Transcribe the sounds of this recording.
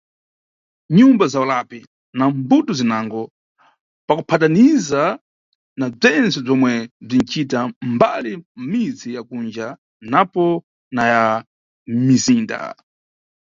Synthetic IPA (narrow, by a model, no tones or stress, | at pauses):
ɲumbazaɔlapi | nambutɔzinaŋɡɔ | pakupʰataniza | nab͡ʐɛnt͡sɛb͡ʐɔmwɛb͡ʐin̩t͡ʃʰitambalim̩mid͡zijakund͡ʒa | napɔ | naja | miziːnda̰